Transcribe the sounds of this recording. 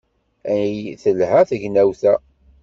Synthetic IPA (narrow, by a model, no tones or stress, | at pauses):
æjθəlhæθəʝnæwθæ